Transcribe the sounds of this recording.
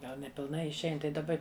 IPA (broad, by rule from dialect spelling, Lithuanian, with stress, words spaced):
ˈɡɐlˠ nʲɛpʲɪlˠˈnɐɪ ɪʃʲˈɛɪn tɐɪ dɐˈbɐ